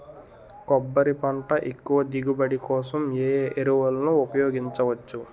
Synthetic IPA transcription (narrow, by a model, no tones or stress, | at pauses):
kɔbːɐɾipɐɳʈɐʔekːuʋɐd̪iɡubɐɽikɔːsɐmjeːeɾuʋɐlɐnuupɐjoːɡiɲt͡ʃɐʋɐt͡ʃːu